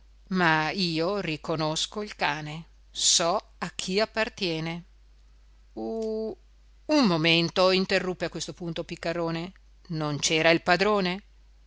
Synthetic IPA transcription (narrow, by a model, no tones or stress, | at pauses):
maiːorikonoskoilkaːne | sɔ | ak̟ʰːiapːart̪jɛːne | u | umːoment̪oint̪erːupːeakwest̪opunt̪opikːaɾoːne | nont͡ʃɛːɾailpad̪ɾoːne